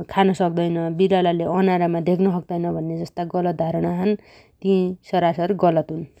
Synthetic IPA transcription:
kʰanʌsʌk̚d̪ʌjnʌbiɾalaleʌnaɾamad̪ekʰnʌsʌk̚d̪ʌjnʌbʱʌnːed͡zʌst̪aɡʌlʌt̪̚d̪ʱaɾʌɽ̃aɦʌn | t̪ĩsʌɾasʌrɡʌlʌt̪ɦun

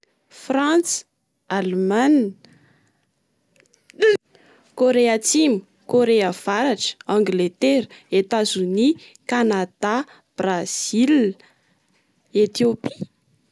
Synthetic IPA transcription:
frant͡s | alman | koɾeat͡simu | koɾeav̥aɾaʈ͡ʂə̥ãŋɡlet̪eɾəet̪azuni | kanad̪̥a | b̥raz̥il | et̪iopi̥

